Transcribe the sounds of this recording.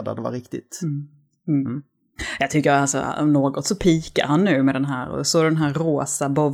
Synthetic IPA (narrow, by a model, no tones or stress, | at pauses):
d̪a̰d̪ɛva̰ɾɪkt̪ɪt̪ː | jɑt̪ʰʏkːəɾalsɔ̰ɔ̰mnoːɡɔt̪sɔpʰiːka̰ɾhanːʉ̟ːmɛd̪ɛnɦæ̰ːɾɔ̰sɔd̪ɛnɦæːɾːoːsabɔ